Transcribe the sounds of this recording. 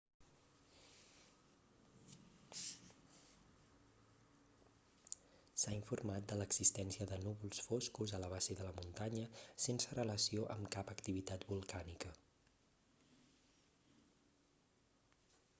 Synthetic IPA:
saiɱfurmat̪̚d̪ələɡz̥ist̪ɛnsiəðənuβulˠsfoskuzələβazeðələmunt̪aɲəsensərələsioʔəmkapəkt̪iβit̪at̪bulˠkanikə

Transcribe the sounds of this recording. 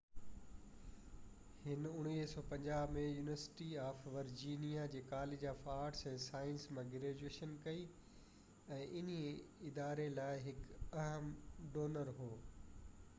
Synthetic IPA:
hɪnʊɽ̃iːɦsɔːpɐ̃ɲd͡ʑaːbmẽjuːnɪʋəɾsɪ̥ʈiaːfʋɐɾd͡ʑiːnijad͡ʑeːkaːleːd͡ʑaːfaːɾʈsɛ̃ːsaːɪnsmãɡɾeːd͡ʑueːʃənkɐi | ɛ̃ːʔɪniɪd̪aːɾelaːɪɦɪkɐɦəmɖoːnəɾɦoː

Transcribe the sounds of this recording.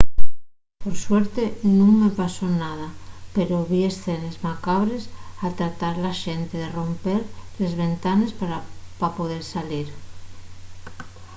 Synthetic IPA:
poɾsweɾt̪enũŋmepasonað̞apeɾoβie̞sθenezmakaβ̞ɾesat̪ɾat̪aɾlaʃent̪eðero̞mpeɾle̞zβe̞nt̪anespaɾapapoðeɾsaliɾ

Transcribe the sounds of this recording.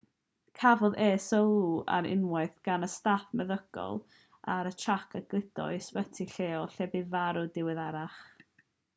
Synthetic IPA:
kʰavɔðeːsɔua̰ɾɪ̰nmwaɨθɡ̥anəstafmɛðəɡ̥ɔ̰lˠ | aɾət͡ʃʰakʰəɡ̥lɪdɔ̰jswətʰiɬeːɔɬɛbɪvaɾʊdɪwɪðaɾaχ

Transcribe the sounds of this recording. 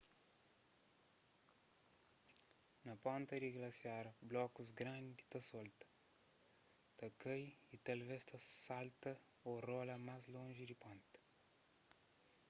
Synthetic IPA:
nɐpõnt̪ɐd̪iɡlɐsjaɾɐblɔkuzɡɾãnd̪it̪ɐsɔlt̪ɐ̥ | t̪ɐkɐjit̪ɐlvest̪ɐsalt̪ɐ | orolɐmazlõnʒid̪ipõnt̪ɐ̥

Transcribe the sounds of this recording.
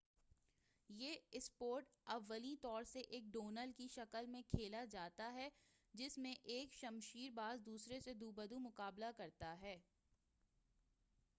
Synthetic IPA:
jeːɪspoːɾʈɐʋːəlit̪ɔːɾseʔeːk̚ɖoːnəlkiʃɐkəlmẽkʰeːlad͡ʒaːt̪aɦɛ | d͡ʒɪsmẽʔeːkʃɐmʃiːɾbaːzd̪uːsɾesed̪uːbəd̪umʊkaːblakɐɾt̪aɦɛː

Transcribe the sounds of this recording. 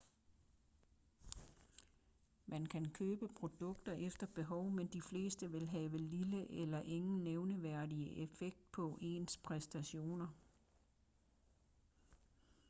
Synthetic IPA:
mʔænkʰænkʰøːb̥əpʰʁo̝d̥ɔ̽ɡ̥̚d̥ɐʔefd̥ɐb̥e̝ɦɒʊmend̥ifle̝̰ːsd̥əʋe̝lɦɛːʋəliləʔelɐʔe̝ŋn̩neʊnəʋæɐ̰diəʔefeɡ̥̚d̥̚pʰɒ̽ʔe̝̰ːnspʰʁɛsd̥æɕo̝̰ːnɐ

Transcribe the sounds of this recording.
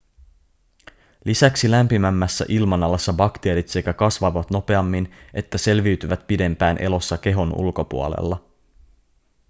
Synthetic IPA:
lisæksilæmpimæmːæsːæ̰ʔilmɑnɑlːɑsːɑbɑkt̪e̞ːɾit̪se̞kækɑsʋɑʋɑt̪no̞pe̞ɑmːinʔe̞t̪ːæse̞lʋiɥt̪yʋæt̪̚pide̞mpæːnʔe̞̰lo̞sːɑk̟e̞ɦo̞nṵlko̞pṵo̰lḛlːɑ

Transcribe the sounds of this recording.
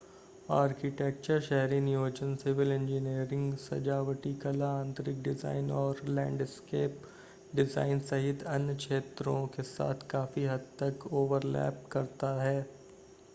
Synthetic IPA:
aːɾkɪʈeːk̚t͡ʃəɾʃɛɦɾinɪjoːd͡ʒənsɪʋɪlɛ̃ɲd͡ʒɪniːɾɪ̃ŋɡsɐ̰d͡ʒaːʋəʈikɐlaãːnt̪ɾɪk̚ɖɪza̰ːɪnɔːɾlɛ̃ːɳɖɪskeːp | ɖɪza̰ːɪnsɐɦɪt̪ɐnəkʃeːt̪ɾõkesa̰ːt̪ʰkaːfiɦɐd̪̚t̪ɐkoːʋəɾlɛ̰ːp̚kɐɾt̪aɦɛː

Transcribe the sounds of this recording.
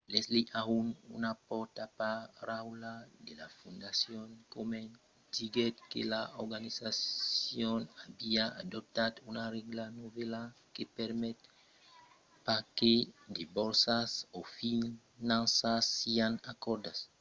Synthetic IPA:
lesliʔaunṵnapɔɾt̪apaɾawlad̪ela̰fũnd̪asjonkome | d̪iɡet̪̚kḛlaoɾɡanisasjonabiaa̰d̪op̚t̪ad̪unarɛɡlanovelakepeɾmɛt̪ | paked̪ebɔɾsasofi | nãnsasianakɔɾd̪as

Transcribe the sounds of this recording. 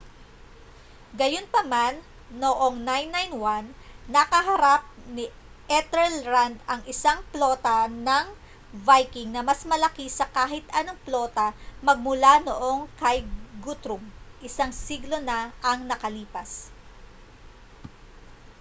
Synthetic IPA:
ɡɐjo̞npɐmanː | oʔo̞ŋnajnːajnwanːɐkɐɦɐɾap̚ni | ʔɛt̪ɛlɹand̪ɐŋʔɪsaŋplo̞ːt̪ɐnɐŋ | vajkɪŋnɐmɐsmɐlɐkisɐkaːɦɪt̪ʔɐnoŋplo̞ːt̪ɐmɐɡ̚mʊlanoʔo̞ŋkɐjɡut̪ɾʊmʔɪsaŋsiɡlo̞nɐʔɐŋnɐkɐliːpɐs

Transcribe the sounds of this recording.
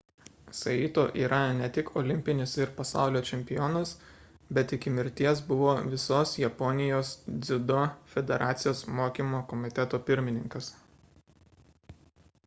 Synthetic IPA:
sɐiːt̪oːʔiːɾʔɐnʲɛt̪ʲɪkʰɔːlʲɪmʲpʲɪnʲɪsɪɾpɐsɑˑʊlʲoːt͡ʃʲɛmʲpʲɪjɔːnɐs | bʲɛt̪ɪkʲɪmʲɪɾʲt̪ʲiɛsbʊʋoːʋʲɪsoːsjɛpɔnʲɪjoːsd̪zʲɪd̪ofʲɛd̪ʲɛɾʔɑːt̪sʲɪjoːsmoːkʲimoːkɔmʲɪt̪ʲɛt̪oːpʲɪɾʲmʲɪnʲɪŋkɐs

